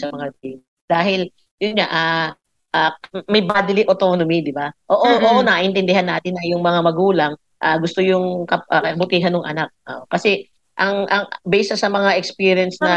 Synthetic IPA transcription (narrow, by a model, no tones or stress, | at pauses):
sɐmɐŋaiŋ | d̪̥aːɦɪl | jʊnɲaʔa | ʔamɐjbaːd̪ɪlɪʔot̪o̞ːnomid̪ɪbaʔoːʔoʔoːʔonɐʔɪnt̪ɛnd̪ɪhanːaːt̪ɪnɐjʊŋmɐŋamɐɡuːlɐŋ | ʔaɡʊst̪ojʊŋkɐʔɐkɐkɐbʊt̪iːɦɐnːʊŋʔɐnak̚ʔaʔkɐsɛ | ʔɐŋʔɐŋbɛːsɐsɐmɐŋaʔɛkspiːɾjɛnsnɐ